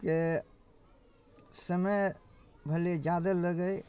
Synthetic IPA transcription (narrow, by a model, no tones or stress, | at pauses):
ke | səməj | bʱəled͡ʒad̪ələɡəj